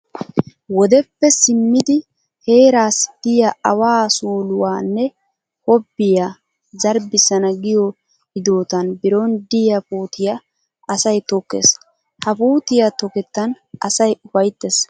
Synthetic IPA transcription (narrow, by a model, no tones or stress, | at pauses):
wɔd̪ɛpːɛsɪmːɪd̪ɪ | he̞ːɾaːsd̪̥ɪjɐɐwaːsuːlʊwaːnːɛ | hɔbːɪja | zɐɾbɪsɐnɐɡɪjɔ | hɪd̪oːt̪ɐnbɪɾond̪ɪjɐpuːt̪ɪjɐ | ɐsɐjt̪ɔkːḛːs | hɐpuːt̪ɪjat̪ɔkɛt̪ːɐn | ɐsɐjʊfɐjt̪ːes